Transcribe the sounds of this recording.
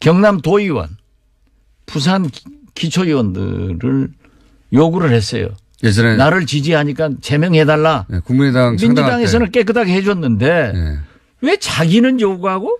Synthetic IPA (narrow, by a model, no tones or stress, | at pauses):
kjʌŋnamtoiwa̰n | pus̬ʰan | kit͡ɕʰʌjiwʌndɯ̰ɾɯɭ | joɡuɾɯɭhe̞s͈ʌ̰jo̰ | enaɾɯɭt͡ɕid͡ʑiɦaɲik͈at͡ɕe̞mjʌŋɦe̞daɭːakumiaŋmind͡ʑudaŋe̞s̬ʰʌnɯnk͈e̞k̬͈ɯtʰaɡeɦed͡ʑʌnːɯnde̞j̰ | we̞t͡ɕaɡinɯnjoɡuɡɦaɡo